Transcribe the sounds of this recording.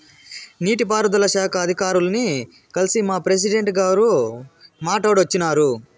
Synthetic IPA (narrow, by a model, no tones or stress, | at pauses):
niːʈip̬aːɾud̪ɐlɐʃaːkʰɐːd̪ʱikaːɾulɐni | kɐlisimaːpɾes̬iɖe̞ɳʈɡaːɾu | maːʈɐːɽɐt͡ʃːinaːɾu